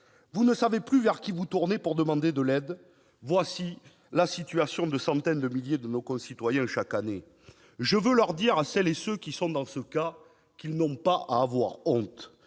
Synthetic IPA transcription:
vunəsaveplyvɛʁkʲivut̪uʁnepuʁd̪əmɑ̃d̪ed̪əlɛd̪ | vwasi | lasit̪yasjɔ̃d̪əsɑ̃t̪ɛnd̪əmiljed̪ənokɔ̃sit̪wajɛ̃ʃakane | ʒəvølœʁd̪iʁasɛlesøkʲisɔ̃d̪ɑ̃səka | kilnɔ̃paʔa̰ːvwaʁɔ̃t̪

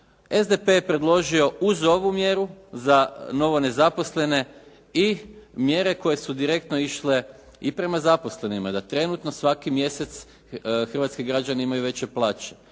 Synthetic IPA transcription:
ezd̪epejpɾe̞d̪lˠo̞ʒio̞uzo̞ʋumje̞ɾuzano̞ʋo̞ne̞zapo̞sle̞ne̞ | imje̞ɾe̞ko̞je̞sud̪iɾe̞k̚t̪no̞iʃle̞ | ipɾe̞mazapo̞sle̞nimad̪at̪ɾe̞nut̪no̞sʋakimje̞se̞t̪s | xr̩ʋat̪kiɡɾad͡ʑaneimajuʋe̞t͡ɕe̞plˠaːt͡ɕe̥

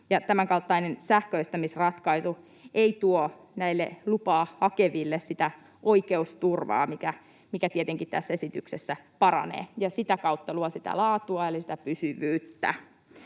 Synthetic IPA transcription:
jɑt̪æmæŋkɑlt̪ːɑinensæhkøist̪æmisrɑt̪kɑisu | eit̪uo | næilːḛlupɑːhɑkeʋilːessit̪æ | ʔoikeust̪urʋɑ̰ːmikæ | mikæt̪iet̪eŋkit̪t̪æsːesit̪yksesːæpɑɾɑ̰nḛːjɑsit̪ækɑut̪ːɑluosit̪æ̰lɑːt̪uɑelisi̥t̪æpysyʋyːt̪ːæ̰

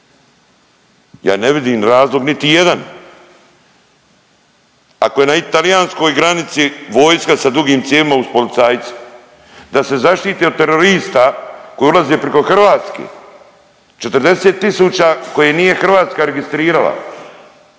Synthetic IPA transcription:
ja̰ːneʋid̪iːmɾaːzlˠoɡnit̪ije̞d̪an | a̰koje̞nait̪alijaːnsko̞ːjɡɾanit̪siʋo̞ːjskasad̪ɾuɡiːmt̪jeːlimauspo̞lit̪saːjt̪su̥ | d̪ase̞zaʃt̪iːt̪eot̪ːe̞ɾo̞ɾiːst̪ako̞julˠazepɾeko̞xr̩ʋaːt̪skḛː | t͡ʃe̞t̪rd̪e̞set̪ːisuːt͡ɕako̞jenije̞xr̩ʋaːt̪skaɾe̞ɡist̪ɾiːɾala̰

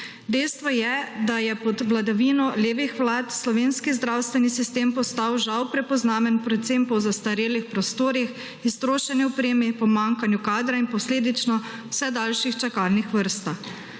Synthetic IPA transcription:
d̪ɛjst̪ʋɔjɛd̪ajɛpɔd̪ʋlad̪aʋiːnɔleːʋixʋlaːt̪slɔʋeːnskizd̪ɾawst̪ʋɛnisist̪eːmpɔst̪awʒawpɾɛpɔznaːʋɛnpɾɛt̪sempɔwzast̪aɾeːlixpɾɔst̪oːɾix | ist̪ɾoːʃɛnɛɔpɾeːmɛpɔmaŋkanjukaːd̪ɾainpɔsleːd̪it͡ʃnɔ | w̥sɛd̪alʃixt͡ʃakaːlnixʋəɾst̪ax

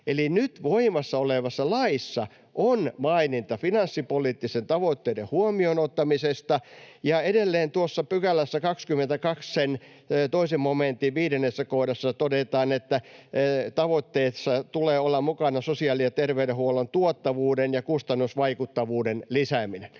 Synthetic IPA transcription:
elinyt̪ʋoimɑsːɑoleʋɑsːɑlɑisːɑ | ʔonmɑinint̪ɑfinɑnsːipoliːt̪ːisent̪ɑʋot̪ːeːdehuomionot̪ːɑmisest̪ɑjɑedelːeːnt̪uosːɑpykælːæsːækɑkskymːent̪ækɑkssen | t̪oisemmoment̪iʋʋiːdenːesːækohdɑsːɑt̪odet̪ɑːnet̪ːæ | t̪ɑʋot̪ːeːsːɑt̪uleːolːɑmmukɑnɑsosiɑːlijɑt̪erʋeydehuolont̪uot̪ːɑʋuːdenjɑkust̪ɑnːusʋɑikut̪ːɑʋuːdenlisæminen

